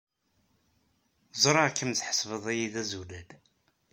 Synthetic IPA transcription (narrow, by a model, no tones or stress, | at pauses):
zˤɾˤɑkːəmt͡sːħə̥svəðˤæjiðæzulæd̪